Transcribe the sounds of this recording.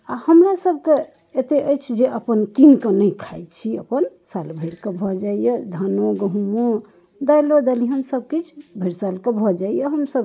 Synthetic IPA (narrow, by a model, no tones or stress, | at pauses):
ahəmɾasəb̚ʱke | et̪eʔəjt͡ʃʰd͡ʒeʔəpənkinkənəjkʰajt͡ʃʰiə̰pənsalbʱəjɾkebʱɔd͡ʒaijəd̪ʱanoɡəɦumo | d̪ajlod̪aliɦənsəb̚kit͡ʃʰbʱəɾsalkebʱɔd͡ʒaijəɦəmsəb̚